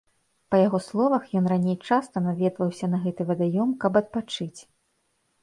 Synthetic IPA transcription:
pɐjaɣɔslˠɔvɐxjɔnranʲejt͡ʂast̪ɐnavʲɛd̪vɐwsʲɐnɐɣɛt̪ɨvɐd̪ajɔmkɐbɐt̪̚pat͡ʂɨt͡sʲ

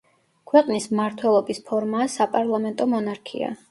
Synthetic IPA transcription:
kʰwɛqʼnismmaɾt̪ʰwɛlˠɔbispʰɔɾmaːsapʼaɾlˠamɛnt̪ʼɔmɔnaɾkʰḭa̰

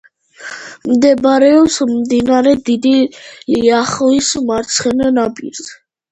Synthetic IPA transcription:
md̪ɛbɾɛɔpsmd̪inaɾɛd̪id̪iliaχɔismaɾt̪sʰχɛnɛnabḭɾs

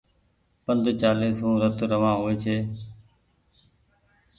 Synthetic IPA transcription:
pənd̪ʱt͡ʃaːliːsɦũːɾət̪ɾəʋãːɦoːeːt͡ʃʰeː

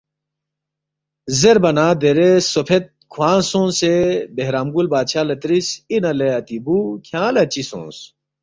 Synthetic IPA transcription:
zeɾbɐnaːd̪eɾesopʰet̪̚kʰwãːnsõːnsebeɦɾaːmɡulbaːd̪ɕʰaːlɐt̪ɾisinɐleɐt̪ibukʰjãːlɐt͡ɕisõ̰ːs

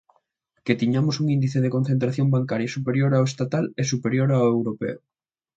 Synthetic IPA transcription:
ket̪iɲamosuŋĩnd̪iθeðekon̟θent̪ɾaθjombaŋkaɾjasupeɾjoɾaoest̪at̪alesupeɾjoɾaoewɾopḛo

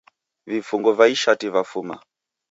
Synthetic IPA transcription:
vifuŋɡɔvaiʃativafuma̰

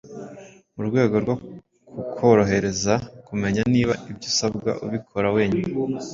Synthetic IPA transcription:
uɾɡwe̞ːɡo̞ɾɡo | kukʰo̞ɾo̞ɦe̞ɾe̞zakume̞ɲaniːβaibɟuːsabɡa̰ʔuβikʰo̞ɾawe̞ːɲumi

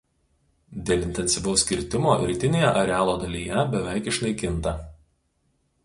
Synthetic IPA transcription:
d̪ʲeːlʲˠɪnʲt̪ʲɛnʲsʲɪʋɐʊsʲkʲɪɾʲt̪ʲɪmoːɾʲiːt̪ʲɪnʲeːjɛʔɐɾʲɛæːlˠoːd̪ɐlʲijɛbʲɛʋʲɛˑɪkɪʃnɐɪkʲɪnt̪ɐ

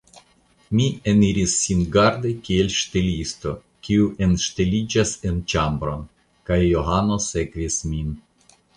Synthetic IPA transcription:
mieniɾisːinɡaɾd̪ekʲielʲʃt̪elist̪o̞ | kʲiuʔenʃt̪elid͡ʒasent͡ʃambɾo̞n | kajːoɦano̞se̞kvismin

